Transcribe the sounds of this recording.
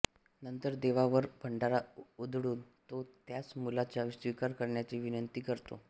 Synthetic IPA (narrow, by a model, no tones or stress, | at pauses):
nənt̪əɾd̪eʋaʋəɾbʱəɳɖaɾaud̪ʱɽuːnt̪ot̪jat͡smulat͡ɕjasʋikaɾkəɾɳjat͡ɕiʋinənt̪iːkəɾt̪o̰